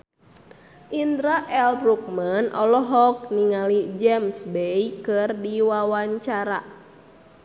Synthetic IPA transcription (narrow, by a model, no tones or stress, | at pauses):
ʔind̪ɾaʔɛlbɾuk̚manʔɔlɔɦɔk̚niŋalid͡ʒɛmsbejkɨrdiwawaɲt͡ʃaɾa̰